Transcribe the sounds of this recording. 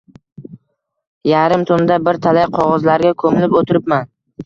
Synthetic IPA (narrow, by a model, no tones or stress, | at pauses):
jaɾɪmt̪ʰʊnd̪abɪɾt̪ʰalajqʰɒʁɒzlaɾɡʲakʰɵmɪlɪpot̪ʰɪɾɪpman